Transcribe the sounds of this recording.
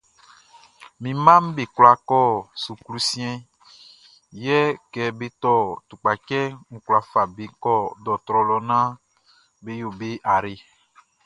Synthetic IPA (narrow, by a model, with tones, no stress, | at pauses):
mĩ˨mã˦m̩˦be˨kwla˨kɔ˦˨su˨klu˨sĩ˦ɛ̃˦ | jɛ˦kɛ˨be˦t̪ɔ˦t̪u˨k͡pa˨t͡ʃɛ˦ŋ̩˨kla˨fa˨be˨kɔ˦d̪ɔ˨t̪ɾɔ˨lɔ˨nã˦ | be˦jo˨be˦ʔa˨ɾe˨